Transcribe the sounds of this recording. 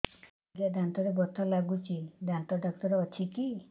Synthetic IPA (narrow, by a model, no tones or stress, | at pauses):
ɡjad̪ant̪ɔɾebɔt̪ʰɔlaɡut͡ʃʰid̪ʱant̪ɔɖɔkt̪ɔɾɔt͡ʃʰiki